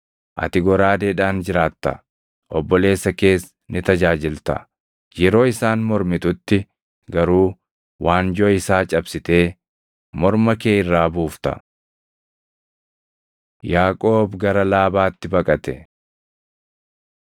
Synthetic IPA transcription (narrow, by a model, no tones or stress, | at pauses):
ʔɐ̰t̪ɪɡɔɾaːd̪eːᶑaːnd͡ʒɪɾaːt̪ːɐ̰ | ʔɔbːɔle̞ːsːɐke̞ːs | nɪt̪ɐd͡ʒaːd͡ʒɪlt̪ɐ̰ | jɛɾo̞ːɪsaːnmɔɾmɪt̪ʊt̪ːɪ | ɡɐɾuː | waːnd͡ʒɔɪsaːt͡ʃʼɐbsɪt̪e̞ː | mɔɾmɐkeːɪrːaːbuːft̪ɐ̰ | jaːkʼo̞ːbɡɐɾɐlaːbaːt̪ːɪbɐkʼɐt̪ɛ